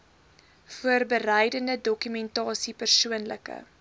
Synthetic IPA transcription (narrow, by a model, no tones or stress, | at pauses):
fuərbərɛjdəndədɔkymɛntɑːsipərsuənləkə̰